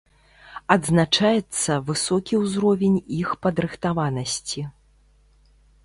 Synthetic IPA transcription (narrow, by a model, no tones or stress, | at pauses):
ɐd̪znat͡ʂajɛt̪sːɐvɨsɔkʲiwzɾɔvʲɛnʲixpɐd̪ɾɨxt̪avanɐsʲt͡sʲi